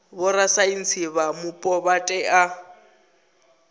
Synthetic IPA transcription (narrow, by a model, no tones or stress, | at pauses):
bʊrasain̩t͡sʰiβamʊpʼɔbatʼɛʔa